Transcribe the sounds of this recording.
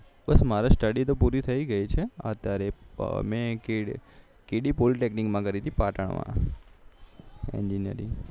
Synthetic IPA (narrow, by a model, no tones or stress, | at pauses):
bəsmaɾasʈəɽit̪opuɾit̪ʰəiɡəit͡ʃʰeə̰t̪jaɾemɛ̃ke | keɽipoliʈeknikmãkəɾid̪ipaʈəɳ̃mã̰ | ḛnd͡ʒinjə̰ɾḭ